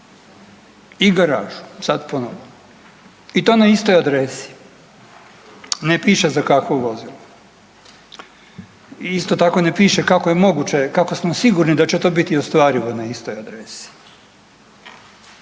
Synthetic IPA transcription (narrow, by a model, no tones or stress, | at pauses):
iɡaɾa̰ːʒu̥sad̪ponoʋo | it̪o̞ːnaist̪o̞jad̪ɾesi̥ | nepiːʃezakakʋuʋo̞zilu | ist̪ot̪ako̞nepiːʃekako̞jemo̞ɡut͡ɕe̞kako̞smosiɡuɾnid̪at͡ɕet̪o̞ːbit̪iost̪ʋaːɾiʋonaist̪ojad̪ɾesi̥